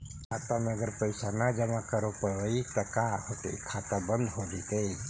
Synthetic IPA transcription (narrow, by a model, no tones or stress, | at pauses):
kʰat̪anəɡəɾpəjsanad͡ʒəmakəɾopəɾʋəit̪əkaɦot̪ḛkʰat̪abənd̪ɦod̪it̪ei